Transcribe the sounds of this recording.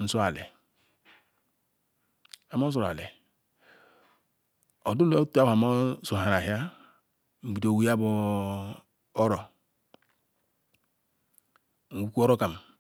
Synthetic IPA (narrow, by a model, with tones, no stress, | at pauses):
n̩˦so˦a˨lḛ˨ | a˨˦mo˦sɾa̰˨lḛ˨ | o˨du˦lo˦ta˦wa˨mo˦so˨ha˨ɾa˨ɦja˦ | m̩˨bi˨do˨wi˦a˦bo˦ | o˦ɾo˨ | wu˦ku˦o˦ɾo˦ka˨m˨